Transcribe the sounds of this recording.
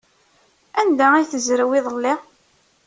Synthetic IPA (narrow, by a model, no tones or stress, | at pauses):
ænd̪æiθəzɾəwɪðˤəlːɪ